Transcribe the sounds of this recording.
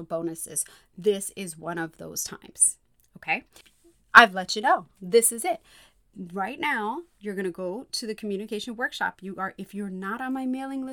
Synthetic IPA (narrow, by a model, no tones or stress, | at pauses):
l̩ˠbõʊ̃nɨsɪ̰z̥ | ðɪsɪzwʌ̃ɾ̃ʌvðo̰ʊz̥tʰã̰ɪ̃mz̥ | oʊkʰeɪ | ʔaɪvlɛt͡ʃɨnoʊðɪsɨzɪt̚ | ɹaɪtⁿnaʊjə˞ɡʌɾ̃ɨɡoʊɾɨðɨkʰmjʉñɨkʰeɪʃnwɜ˞kʃɑ̰pjɨə˞ʔɨfjə˞nəɾn̩maɪmeɪlˠɪ̃ŋlɪ